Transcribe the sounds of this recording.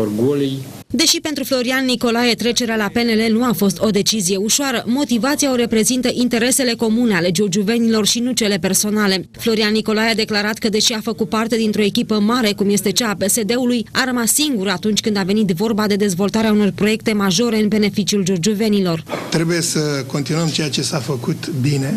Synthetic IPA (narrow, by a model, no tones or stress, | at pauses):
ɡolij | d̪e̞ʃipe̞nt̪ɾuflo̞ɾianːiko̞laje̞t̪ɾe̞t͡ʃe̞ɾealape̞ne̞le̞nuafo̞st̪o̞d̪e̞t͡ʃizije̞uʃoaɾəmo̞t̪ivat̪sijao̞ɾe̞pɾe̞zint̪əʔint̪e̞ɾe̞se̞le̞ko̞muneale̞d͡ʒord͡ʒuve̞nilo̞rʃinut͡ʃe̞le̞pe̞rso̞nale̞flo̞ɾianːiko̞lajead̪e̞klaɾat̪kəd̪e̞ʃiafəkut̪̚part̪e̞d̪int̪ɾo̞e̞kʲipəmaɾe̞kumje̞st̪e̞t͡ʃaːpe̞se̞d̪e̞ulujaɾəmasːiŋɡuɾat̪unt͡ʃʲkɨnd̪ave̞nit̪vo̞rbad̪e̞d̪e̞zvo̞lt̪aɾeauno̞rpɾo̞je̞k̚t̪e̞maʒo̞ɾe̞ɨnbe̞ne̞fit͡ʃiuld͡ʒurd͡ʒuve̞nilo̞rt̪ɾe̞buje̞səko̞nt̪inuəmt͡ʃe̞jat͡ʃe̞safəkut̪bine̞